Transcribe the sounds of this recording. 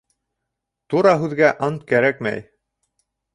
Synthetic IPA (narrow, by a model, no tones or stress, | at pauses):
t̪uɾɑɦʉðɡæʔɑnt̪̚kæɾækmæ̰j